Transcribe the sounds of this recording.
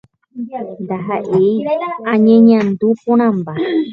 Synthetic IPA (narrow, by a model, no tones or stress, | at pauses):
nd̪aɦaʔejãɲẽɲãnd̪upõɾ̃ãmba